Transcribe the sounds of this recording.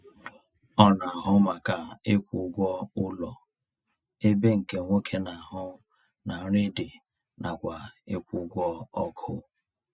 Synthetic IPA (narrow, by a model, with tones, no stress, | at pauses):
ɔ˦na˨a˨ɦʊ˦ma˨ka˨e˦kʷu˨ɡʷɔ˦ʊ˦lɔ̰˨ | e˦be˦ŋ̩˨ke˨ŋʷo˦kʰe˦na˨a˨ɦʊ˦ | na˨ɾe˦de˨ | nʔa˨kʷa˨e˦kʷu˨ɡʷɔ˦ɔ˦kʰʊ̰˨